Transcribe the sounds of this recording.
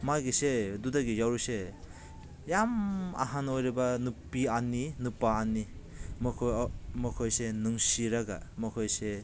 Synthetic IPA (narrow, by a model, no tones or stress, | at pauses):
maɡisedudaɡijawɾuse | jama̰ɦanojɾibanupːianːinupaːnːimʰmɔkʰojsenuŋsiɾaɡa̰mɔkʰojse